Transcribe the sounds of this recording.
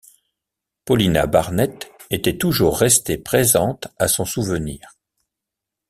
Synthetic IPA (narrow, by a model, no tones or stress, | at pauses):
pɔlina̰baʁnɛt̪et̪ɛt̪uʒuʁːɛst̪epχezɑ̃t̪asɔ̃suvəniːʁ